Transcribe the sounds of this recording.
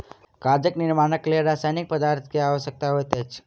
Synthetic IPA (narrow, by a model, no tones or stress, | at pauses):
kaɾd͡ʒəkniɾmaːnəkleɾasajnik̚pəd̪aɾt̪ʰkeaʋəʃək̚t̪aɦojt̪et͡ʃʰ